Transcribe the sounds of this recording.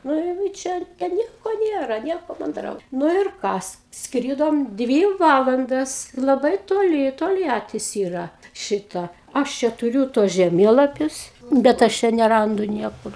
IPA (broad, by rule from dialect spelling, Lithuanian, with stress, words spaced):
nʊ jɛʊ ɪ ˈt͡ʃʲɛ tʲɛn ˈnʲiɛkoː ˈnʲeːrɐ ˈnʲiɛkoː mɐnˈdrɐʊ ˈnʊ ɪr ˈkɐs ˈskrʲiːdoːm ˈdʲʋʲiː ˈʋɑːlˠɐndɐs lˠɐˈbɐɪ toːˈlʲɪ toːlʲˈjæːtʲɪs ˈiːrɐ ˈʃʲɪtɐ ˈɐʃ t͡ʃʲɛ tʊˈrʲuː tuɔs ʒʲɛˈmʲeːlˠɐpʲʊs bʲɛt ˈɐʃ t͡ʃʲɛ nʲɛˈrɐndʊ ˈnʲiɛkʊr